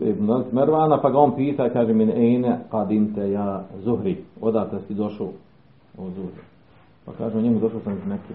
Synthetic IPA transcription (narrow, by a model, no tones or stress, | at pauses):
eb̪azsmeɾʋaːnapaɡaonpiːt̪aikaːʒemeneʔeːneqad̪imt̪ejaːzuɦɾiod̪aːt̪est̪id̪oʃoː | ozuhɾi | pa̰kaːʒemuɲemud̪oʃoːsamneki